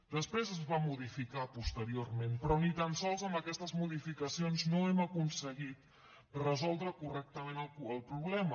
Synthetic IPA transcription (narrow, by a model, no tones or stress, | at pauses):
d̪əspɾezəzβamuðifikapust̪əɾiormenpɾɔnit̪ansɔlˠzəmbəkɛst̪əzmuðifikəsionznoɛməkunsəɣit̪ | rəzɔlˠd̪ɾəkurɛk̚t̪əmenəlˠəlˠpɾuβlɛmə